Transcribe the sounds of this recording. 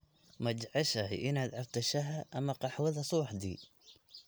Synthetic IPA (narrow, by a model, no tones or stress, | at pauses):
mad͡ʒʕaʃahḭʔɪnad̪ʕaft̪aʃaɦaʔamːaqɑħwaðasˤuħd̪ḭ